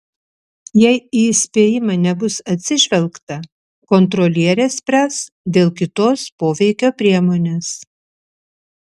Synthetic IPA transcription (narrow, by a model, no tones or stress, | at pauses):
jɛɪiːsʲpʲeːjɪmɐnʲɛbʊsɐt̪ʲsʲɪʒʲʋʲɛlˠkt̪ɐ | kɔnt̪ɾolʲiɛɾʲeːsʲpʲɾʲæs | d̪ʲeːlˠkʲɪt̪oːspoːʋʲɛɪkʲoːpʲɾʲiɛmoːnʲeːs